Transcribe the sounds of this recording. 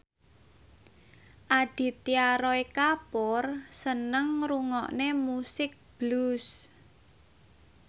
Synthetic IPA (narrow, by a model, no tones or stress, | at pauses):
ʔaɖ̥i̤t̪iaɾɔikapɔrsənəŋɾuŋɔ̰ʔnemusɪk̚b̥lus